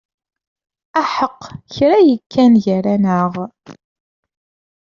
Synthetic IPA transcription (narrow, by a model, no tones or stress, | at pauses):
æħəqːçɾæjəkʰːænʝəɾænəʁ